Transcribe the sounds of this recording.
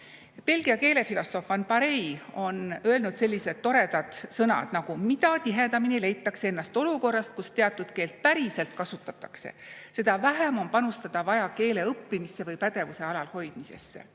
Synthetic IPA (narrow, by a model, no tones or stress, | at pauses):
pe̞lɡ̥iɑke̞ːle̞filo̞so̞fɑnpɑɾe̞jo̞nø̞e̞lnud̪se̞lʲːise̞d̪̥t̪ːo̞ɾe̞d̪ɑd̪̥sɤnɑ̰d̪̥nɑɡ̥umit̪ɑt̪iɦe̞d̪ɑminile̞jt̪ːˑɑksee̞nːɑst̪o̞luko̞rːɑst̪̚kust̪e̞ɑt̪ːˑud̪̥ke̞ːlt̪̚pæɾise̞lt̪kɑsut̪ːˑɑt̪ːˑɑkse̞̰se̞d̪̥ɑvæɦæmo̞npɑnust̪ɑd̪̥ɑvɑjɑke̞ːle̞ɤpːimisːe̞vɤjpæd̪̥e̞vuse̞ɑlɑlho̞jd̪̥mise̞̰sːḛ